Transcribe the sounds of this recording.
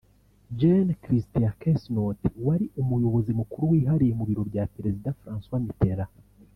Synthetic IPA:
d͡ʒenkɾistiakesnotwaɾiʔumujo̞βo̞zimukuɾuwiːɦaɾijemuβiɾo̞bjapeɾe̞zidafɾãːnswamite̞ɾa

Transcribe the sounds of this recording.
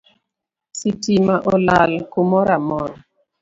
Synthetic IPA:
sitimaʔɔlalkomɔɾamɔn

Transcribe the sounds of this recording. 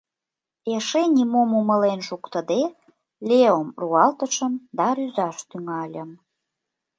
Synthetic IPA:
eʃenʲimomumə̆lenʃukt̪əd̪e | lʲeomruɑlt̪ə̆ʃə̆md̪ɑɾyzɑʃt̪yŋɑlʲəm

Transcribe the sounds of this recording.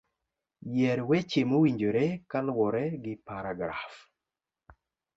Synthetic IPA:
jɛɾwɛt͡ʃemowiɲd͡ʒoɾekalwɔɾɛɡɪpaɾaɡɾaf

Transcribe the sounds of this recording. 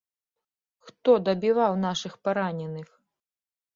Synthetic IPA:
xt̪ɔd̪ɐbʲivawnaʂɨxpaɾanʲɛnɨx

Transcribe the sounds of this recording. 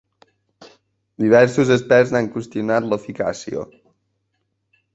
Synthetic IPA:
d̪iβ̞ɛɾsuzəspɛɾznaŋkwust̪iunat̪ləfika̰sḭo̰

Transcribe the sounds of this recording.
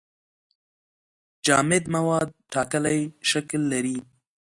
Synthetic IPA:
d͡ʒɑːmɪd̪mawɑːd̪̚ʈɑkəlajʃaklːaɾi

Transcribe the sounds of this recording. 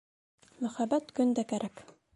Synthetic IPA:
mɵ̆χæbæt̪kɵ̆nd̪ækæɾʔæk

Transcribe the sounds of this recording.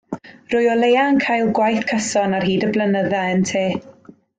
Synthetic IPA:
rʊjɔlˠejaŋkʰajlˠɡwajθkʰəsɔnarɦiːdəblˠənəðɛaəntʰeː

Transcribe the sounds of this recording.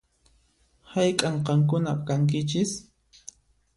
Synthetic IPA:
hajkʼaɴqɑŋkʊnaqkaŋk̬ɪt͡ʃɪs

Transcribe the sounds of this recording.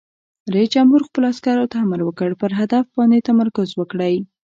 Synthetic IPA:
ɾaisd͡ʒamhuɾxpəloaskaɾot̪aaməɾwəkəɽpəɾɦad̪afbɑnet̪amaɾkʊzwəkɽəj

